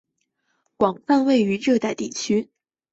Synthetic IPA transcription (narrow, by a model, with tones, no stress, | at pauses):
kwɑ˨˩ŋfa˥˧nwe˥˩ɪy˧˥ʈ͡ʂɤ˥˧t̪a˥˧ɪt̪i˥˩t͡ɕʰy˥